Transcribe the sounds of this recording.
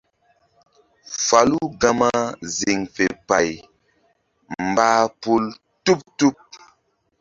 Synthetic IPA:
fa˨lu˦ɡa˦ma˦zi˨ŋfe˨pa˨j | mbaː˦pu˦l | tu˦p̚tu˦p̚

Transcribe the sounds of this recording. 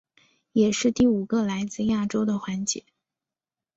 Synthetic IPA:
jɛ˨˩ʂɻ̩˥˧t̪i˥˩u˨˩ɡə˥˧la˧˥ɪt͡sɹ̩˥˧ja˥˩ʈ͡ʂo˥ʊd̪ə˨xwa˧˥nt͡ɕjɛ̰˧˥˦

